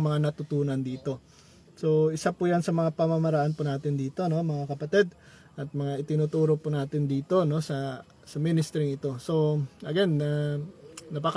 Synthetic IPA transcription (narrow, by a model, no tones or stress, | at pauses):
mɐŋanɐt̪ʊt̪uːnɐnd̪iːt̪o̞ | so̞ʔɪsapujansɐmɐŋapɐmɐmɐɾaʔanpʊnaːt̪ɪnd̪iːt̪o̞no̞mɐŋakɐpɐt̪ɛd̪̚ | ʔɐt̪̚mɐŋaʔɪt̪ɪnuːt̪uːɾopʊnaːt̪ɪnd̪iːt̪o̞no̞sɐ | sɐmɪnɪst̪ɾɪŋɪt̪o̞so̞ʔɐɡɛnːɐː | ɐpak